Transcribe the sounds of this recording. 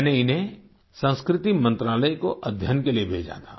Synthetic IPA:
neɪnɦẽ | sə̃skɾɪt̪imə̃nt̪ɾaːləjkoʔɐd̪ʱjənkeliebʱḛːd͡ʒa̰t̪ʰa̰ː

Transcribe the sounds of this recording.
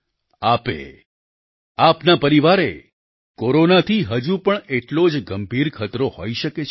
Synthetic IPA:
apḛ | apnapəɾiʋaɾe | koɾonat̪ʰiɦəd͡ʒupəɳeʈlod͡ʒɡəmbʱiɾkʰət̪ɾohoiʃəket͡ʃʰ

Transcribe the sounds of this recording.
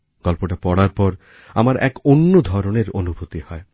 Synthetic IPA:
ɡ̥ɔlpoʈapɔɽaɾpɔɾ | a̰maɾʔɛ̰konːod̪ʱɔɾoneɾonubʱot̪ihɔe

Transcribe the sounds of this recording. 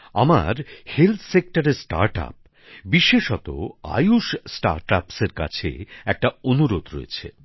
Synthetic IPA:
a̰maɾhelt̪ʰsek̚ʈaɾesʈa̰ɾʈa̰p̚ | biʃeʃɔt̪o̰a̰juʃsʈaɾʈapseɾka̰t͡ɕʰḛɛk̚ʈaonuɾod̪ɾo̰ḛt͡ɕʰḛ

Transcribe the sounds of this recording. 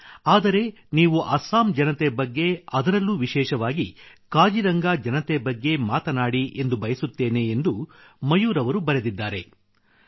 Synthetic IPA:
aːd̪ɐɾe̞ | niːʋuʔɐsaːmd͡ʒɐnɐt̪ebɐɡːe̞ɐd̪ɐɾɐlːuːʋiʃɛːʃɐʋaːɡikaːd͡ʒiɾɐŋɡaːd͡ʒɐnɐt̪ebɐɡːe̞maːt̪ɐnaːɽiʔe̞nd̪ubɐjɐsut̪ːeːne̞ːnd̪umɐjuːɾɐʋɐɾubɐɾe̞d̪id̪ːaːɾe̞

